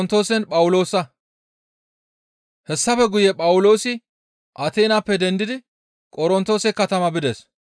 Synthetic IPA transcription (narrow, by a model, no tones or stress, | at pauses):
nt̪o̞ːsɛnpʼɐwʊlo̞ːsɐ | hɛsːɐfɛɡʊjɛpʼɐwʊlo̞ːsɪ | ʔɐt̪e̞ːnaːpːɛd̪ɛnd̪ɪd̪ɪ | kʼɔɾɔnt̪o̞ːsɛkɐt̪ɐmɐbɪd̪es